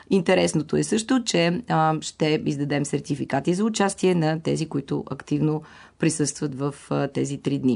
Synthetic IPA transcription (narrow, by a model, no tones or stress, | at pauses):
int̪ɛɾɛsnot̪oɛsɤʃt̪ʊt͡ʃɛʃt̪ɛizd̪ɐd̪ɛmsɛɾt̪ifikat̪izɐʊt͡ʃast̪iɛnɐt̪ɛzikoit̪ʊ̰ʔɐ̰kt̪ivno | pɾisɤst̪vət̪vəft̪ɛzit̪ɾid̪ni